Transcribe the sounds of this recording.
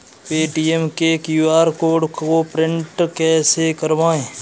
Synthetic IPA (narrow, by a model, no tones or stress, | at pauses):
peːʈiːemkekjuːaːɾkoːɖkopɾɪ̃ɳʈkɛːsekəɾʋaːẽː